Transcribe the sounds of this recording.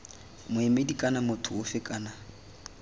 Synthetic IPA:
mʊɛmedikʼanamʊtʰʊʊfɪkʼaːna

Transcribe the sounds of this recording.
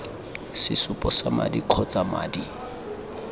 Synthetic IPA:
sɪsʊpʼɔsama̰dikʰɔt͡sʼama̰ːdi

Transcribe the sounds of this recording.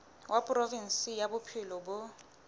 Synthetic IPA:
wʔapʼʊrɔvin̩sijabʊpʰɪlɔbʊ

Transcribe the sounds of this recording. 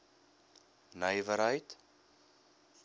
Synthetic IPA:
nəjvəɾɦəjt̪

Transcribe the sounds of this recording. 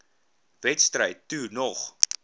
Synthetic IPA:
vɛtstrəjtːunɔχ

